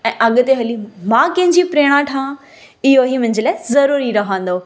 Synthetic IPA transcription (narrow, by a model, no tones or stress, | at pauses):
ɛ̃ːʔɐɠ̆t̪eɦɐlimãːkɐ̃ɦɪ̃ɲd͡ʑipɾeːɽ̃ãʈʰãː | ɪɦoɦimʊ̃ɦɪ̃ɲd͡ʑəlaːɪzɐɾuːɾiɾɐɦãːn̆d̪oː